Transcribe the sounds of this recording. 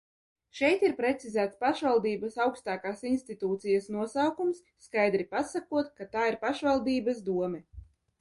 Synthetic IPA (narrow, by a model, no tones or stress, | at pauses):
ʃɛjt̪iɾpɾet̪sizæːt̪spaʃvalˠd̪iːbasawkst̪aːkaːsinst̪it̪uːt̪sijasnuɔsawkumsːkajd̪ɾipasakuɔt̪̚kat̪aːiɾpaʃvalˠd̪iːbasd̪uɔmɛ